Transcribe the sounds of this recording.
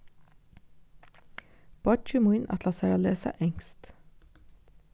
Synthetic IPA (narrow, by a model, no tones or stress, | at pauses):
b̥ɑt͡ʃʉmʊɪnʔɑ̰t̪ʰlɑsæːɾɑleːsə̰ʔɛŋst̪